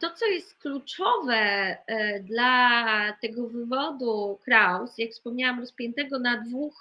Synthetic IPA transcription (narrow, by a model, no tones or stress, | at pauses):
t̪ɔt̪sɔjɛst̪̚klut͡ʂɔvɛ | d̪lat̪ɛɡɔvɘvɔd̪ukɾawsjakfspɔmɲawamɾɔspʲjɛnt̪ɛɡɔnad̪vux